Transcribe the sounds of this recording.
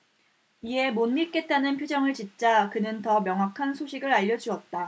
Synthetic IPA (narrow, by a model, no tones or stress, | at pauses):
ie̞monːiɭk͈e̞t͈anɯnpʰjod͡ʑʌŋɯɭt͡ɕint͡ɕ͈akɯnɯntʌmjʌŋɦwakʰansʰoɕʰiɡɯɾaʎːʌd͡ʑuʌt̚t͈a